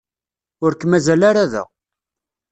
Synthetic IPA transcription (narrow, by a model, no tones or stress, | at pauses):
ʊɾkːmæzælaɾaðæ̰